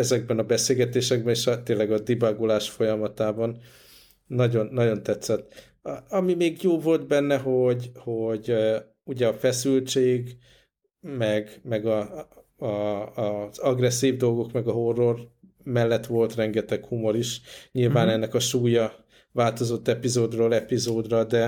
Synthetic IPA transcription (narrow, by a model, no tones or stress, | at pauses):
ɛzɛɡ̚bɛnɒbɛseːlɡɛt̪eːʃɛɡ̚bɛneːʃɒt̪eːnlːɛɡɒd̪ibaɡolaːʃfo̞jɒmɒt̪aːbɒnː | ɒɟo̞nːɒɟo̞nt̪ɛt̪sɛt̪ː | ɒmimeːɡjoːvo̞lt̪bɛnːɛɦo̞ɟho̞ɟ | uɟɛɒfɛsylt͡ʃeːɡ | mɛɡmɛɡɒ | z̥ɒɡrɛsːiːvd̪o̞lɡo̞kmɛɡɒɦo̞rːo̞r | mɛlːɛt̪ʋo̞lt̪rɛŋɡɛt̪ɛkhumo̞ɾiʃɲilvaːnɛnːɛkɒʃuːjɒ | vaːlt̪o̞zo̞t̪ːɛpizoːd̪roːlɛpizoːd̪rɒd̪ɛ